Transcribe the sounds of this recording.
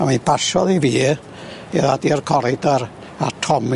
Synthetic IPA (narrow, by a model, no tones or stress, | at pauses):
amibaʃɔðiviː | ɛðadiɔrkʰɔɾɪdɔɾ | atʰɔm